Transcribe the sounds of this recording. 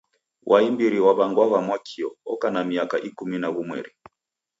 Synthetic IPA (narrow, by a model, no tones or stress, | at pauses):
wʔaimbiɾiwaβaŋɡwaβamwakʰiɔɔkanamiakaʔikuminaɣumwɛ̰ɾi